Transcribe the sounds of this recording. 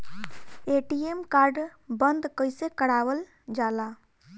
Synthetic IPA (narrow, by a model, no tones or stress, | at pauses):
eʈiemkaɾɖbənd̪kəɪsekəɽawəl | d͡ʒala